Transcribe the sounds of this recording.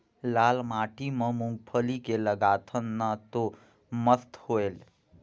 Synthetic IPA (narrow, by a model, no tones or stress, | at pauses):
lalmaʈimə̃mũŋɡ̚pʰəlikeləɡat̪ʰənːat̪o | məst̪hoel